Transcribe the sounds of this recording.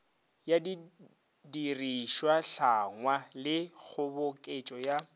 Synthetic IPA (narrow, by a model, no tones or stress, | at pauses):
jadi | diriʃwaɬaŋwalɪk͡xʰʊbʊkʼet͡ʃʼɔja